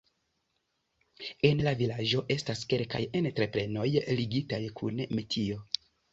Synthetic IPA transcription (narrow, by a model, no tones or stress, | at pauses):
e̞nlavilaʒo̞ʔe̞staske̞lka̰je̞ntɾe̞pɾe̞no̞jliɡitajkʰṵnmetʰio̞